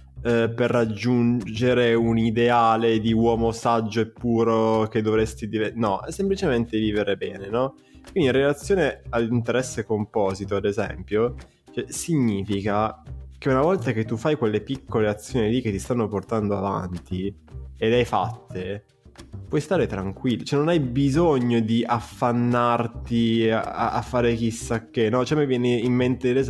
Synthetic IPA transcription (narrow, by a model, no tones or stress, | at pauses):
ɛperːad͡ʒːund͡ʒeɾeunid̪eaːled̪iwɔːmosad͡ʒːoepːuːɾok̟ed̪ːovɾest̪id̪ivenɔʔɛsːemplit͡ʃement̪eviːveɾebɛːnenɔ | kwind̪inrelat̪sːjoːnealːint̪eɾɛsːekompɔːzit̪oad̪ezɛ̰mpjo | kɛsiɲːiːfikakeunavɔlt̪ak̟et̪ːufajkwelːepikʰːoleat̪sːjoːnilikːet̪ːist̪anːoport̪and̪oava̰nt̪ielːeajfa̰t̪ːe | pwɔjst̪aːɾet̪ɾaŋkwilːt͡ʃɛnonajbizoɲːod̪iʔafːanːart̪ia̰afːaːɾek̟isːakːenːɔt͡ʃɛmɛvjɛːneimːent̪elez